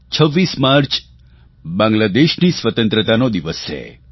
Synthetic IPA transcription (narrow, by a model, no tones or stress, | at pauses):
t͡ʃʰəʋːismaɾt͡ʃ | bãŋɡlad̪eʃnisʋət̪ə̃nt̪ɾət̪anod̪iʋəst͡ʃʰḛ